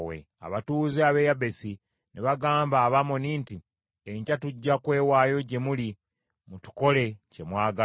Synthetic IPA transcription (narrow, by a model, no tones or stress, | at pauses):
wḛ | a̰βatuːziaβe̞jabesi | neβaɡaːmbaːβamoninti | eɲcatuɟːakwe̞ːwaːjo̞ɟe̞muli | mutu̥ko̞le̞ce̞mwaːɡa